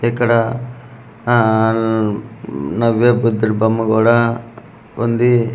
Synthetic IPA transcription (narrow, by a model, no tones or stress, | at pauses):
ekːɐɽɐ | nɐʋjebud̪ːiɾbɐmːɐɡoːɽɐ | ond̪i